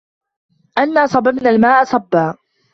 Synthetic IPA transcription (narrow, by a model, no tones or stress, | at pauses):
ʔanːaːsˤɑbɪbnalmaːʔasˤɑbːaː